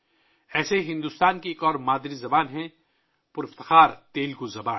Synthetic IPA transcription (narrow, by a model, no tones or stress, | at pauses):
ɛːseɦɪ̃nd̪ust̪aːnkieːkɔːɾmaːd̪ɾizɐbaːnɦɛ̃ | pʊɾɪft̪ɪxaːɾt̪eːlɡozɐbaːn